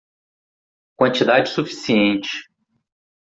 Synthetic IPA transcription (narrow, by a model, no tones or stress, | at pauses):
kwɐ̃nt͡ʃid̪ad͡ʒɪsufi̥siẽnt͡ʃɪ̥